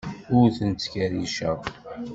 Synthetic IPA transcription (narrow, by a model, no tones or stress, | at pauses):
ʊɾθənt͡s̪ːkæɾiʃæ